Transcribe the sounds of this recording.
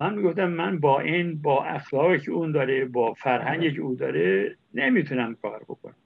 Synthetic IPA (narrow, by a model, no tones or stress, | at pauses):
ænmiːɡoft̪æmːænbɒːʔinbɒːʔæxlɒːɣicʰeuːnd̪ɒːɾebɒːfæɾhæɲɟecʰeuːd̪ɒːɾe | nemiːt̪ʰunæmkʰɒːɾbo̰kʰo̰næm